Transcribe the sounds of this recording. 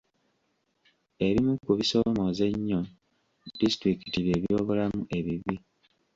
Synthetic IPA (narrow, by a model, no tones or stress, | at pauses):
e̞βimukuβiso̞mo̞ze̞ɲːo̞ | distɾikitiβje̞ːβjo̞ːβolamuʔe̞βiβi